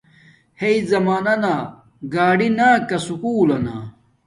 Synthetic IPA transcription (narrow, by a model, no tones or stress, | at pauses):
heizɐmaːnɐna | ɡaːɖinaːkɐsukuːlɐna̰